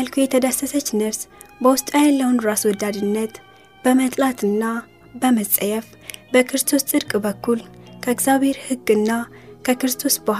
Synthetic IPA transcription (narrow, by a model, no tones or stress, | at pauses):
əlkʰujɛt̪ʰəd̪əsːəsət͡ʃːnəβs | bəwʊst̪ʼajɛlːəwunɾaswɔd̪ad̪ɨnːət̪ | b̥əmət̪ʼlat̪ʰɨnːa | bəməsʼəjɛf | bəkʰɾɨst̪ʰo̞st̪ʼɨɾkʼbəkːulkʰəɨɡzaβhe̞ɾhɨɡɨnːakʰəkɨɾɨst̪ʰo̞sba